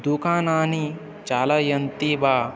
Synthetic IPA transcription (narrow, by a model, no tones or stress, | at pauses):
d̪ukaːnaːni | t͡ʃaːlɐjɐnt̪ibaː